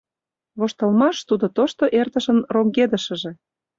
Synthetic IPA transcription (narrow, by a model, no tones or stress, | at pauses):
βoʃt̪ɤlmɑʃt̪ud̪ot̪oʃt̪oʔert̪ə̆ʃə̆nroŋɡed̪ə̆ʃə̆ʒĕ